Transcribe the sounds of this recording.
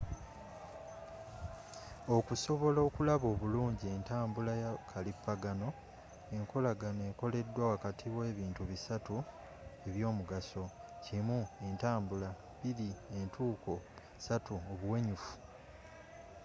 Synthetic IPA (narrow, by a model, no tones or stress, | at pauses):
o̞kuso̞βo̞lo̞ːkulaβo̞ːβuluːɲɟie̞ntaːmbulajakʰalipːaɡano̞ | e̞ŋko̞laɡaneːŋko̞le̞dːwawakatʰiβwe̞ːβiːntuβisatu | e̞βjo̞ːmuɡaso̞cimue̞ntaːmbula | βiɾie̞ntuːko̞ | satuoβuwe̞ɲufu̥